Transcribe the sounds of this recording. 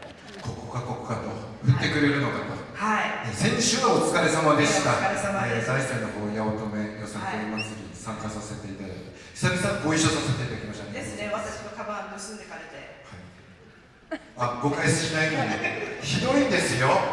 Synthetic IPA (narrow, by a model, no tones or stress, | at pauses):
ko̞ko̥kako̞kokat̪o̞ɸɯ̟t̪ːe̞kɯ̟ɾe̞ɾɯ̟no̞kat̪ahainesẽ̞ɲ̃ɕɨːɡaot͡sɨ̥kaɾe̞samad̪e̞ɕi̥t̪aɾesamaezaisenːoho̞ːjaot̪o̞me̞josãnoɾʲimasɨd̪esãŋkasase̞t̪e̞it̪ad̪a̰it̪i̥sabʲisãŋɡo̞iɕːosase̞t̪e̞it̪aikʲimaɕi̥t̪aneeneβat̪aɕimokabannosɨ̃nd̪ekaɾet̪ehai | aɡ̥o̞kaisɨ̥ɕinainod̪eçid̪o̞id̪e̞sɨjo̞